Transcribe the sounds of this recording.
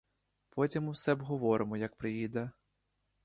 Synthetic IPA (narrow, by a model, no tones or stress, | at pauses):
pɔtʲimʊwsɛbɦɔʋɔɾɪmɔjɐk̚pɾɪjid̪ɐ